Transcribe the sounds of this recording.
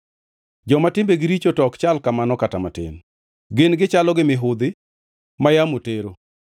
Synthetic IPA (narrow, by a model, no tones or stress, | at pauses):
d͡ʒɔmatɪmbeɡɪɾit͡ʃotɔkt͡ʃalkamanɔkatamatḛn | ɡenɡɪt͡ʃalɔɡɪmɪɦʊd̪ɪ | majamoteɾo